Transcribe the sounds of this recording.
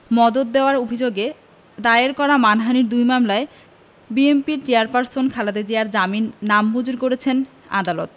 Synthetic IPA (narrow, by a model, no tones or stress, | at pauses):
mɔd̪ot̪̚d̪eoaɾobʱid͡ʑoɡe | d̪aeɾkɔɾamanɦaniɾd̪ujmamlae | biempiɾt͡ɕejaɾpaɾsonkʰalad̪ed͡ʑejaɾd͡ʑaminːamːud͡ʑuɾkoɾet͡ɕʰen | a̰d̪alot̪